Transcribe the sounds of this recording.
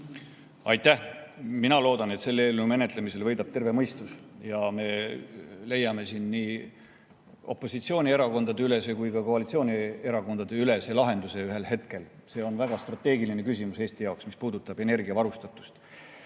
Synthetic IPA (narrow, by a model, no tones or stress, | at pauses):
ɑjt̪ːˑæhminɑlo̞ːd̪̥ɑne̞t̪se̞lːeːlume̞ne̞t̪ˑle̞mise̞lvɤjd̪ɑb̥̚t̪e̞rve̞mɤjst̪usjɑme̞ | le̞jːɑme̞sinːi | o̞̰pːˑo̞sit̪sio̞ːnʲie̞ɾɑko̞nd̪̥ɑd̪eyle̞sekujkɑko̞ɑlit̪sio̞ːnʲie̞ɾɑko̞nd̪̥ɑd̪̥e̞yle̞selɑɦe̞nd̪use̞yɦe̞lhe̞t̪ke̞lse̞ːo̞nvæɡ̥ɑst̪ɾɑt̪ːˑe̞ːɡiline̞kysʲimuse̞ːst̪ijɑoksmispuːd̪̥ut̪ːˑɑb̥e̞ne̞rɡiɑvɑɾust̪ɑt̪ːˑu̥st̪